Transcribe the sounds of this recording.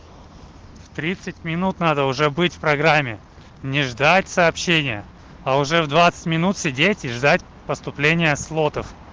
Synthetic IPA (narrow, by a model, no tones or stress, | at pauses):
ft̪ɾʲit̪sɨtʲmʲɪnut̪nad̪əʊʐɛbɨtʲfpɾɐɡɾamʲːɪ | nʲɪʐd̪atʲsɐːpɕːenʲɪjə | aʊʐɛvd̪vat̪sɨ̥tʲmʲɪnut̪sʲɪdʲetʲiʐd̪atʲ | pəst̪ʊplʲenʲɪjəslˠot̪əf